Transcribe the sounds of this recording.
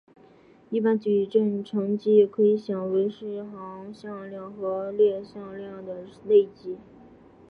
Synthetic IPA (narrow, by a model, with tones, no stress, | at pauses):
i˥˧pa˥nt͡ɕy˨˩ʈ͡ʂə˥˩nʈ͡ʂʰɤ˧˥ŋt͡ɕi˥kʰɤ˧˥i˧˥ɕjɑ˨˩ŋwe˧˥ɪʂɻ̩˥˩xɑ˧˥ŋɕjɑ˥˧ŋljɑ˥˩ŋxɤ˧˥ljɛ˥˧ɕjɑ˥˧ŋljɑ˥˩ŋd̪ə˩le˥˩ɪt͡ɕi˥